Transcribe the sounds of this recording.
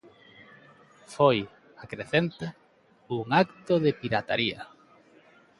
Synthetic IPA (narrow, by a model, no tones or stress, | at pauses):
foj | akɾeθent̪a | uŋakt̪oðepiɾat̪aɾiɐ̰